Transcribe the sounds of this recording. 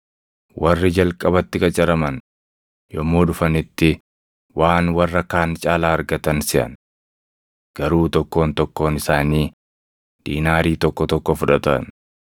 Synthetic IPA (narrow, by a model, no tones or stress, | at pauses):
wɐrːɪd͡ʒɐlkʼɐbɐt̪ːɪkʼɐt͡ʃʼɐɾɐmɐn | jɔmːo̞ːᶑʊfɐnɪt̪ːɪ | waːnwɐrːɐkaːnt͡ʃʼaːlaːɐɾɡɐt̪ɐnsɪʔɐ̰n | ɡ̥ɐɾuːt̪ɔkːo̞ːnt̪ɔkːo̞ːnɪsaːniː | d̪̥iːnaːɾiːt̪ɔkːɔt̪ɔkːɔfʊᶑɐt̪ɐ̰n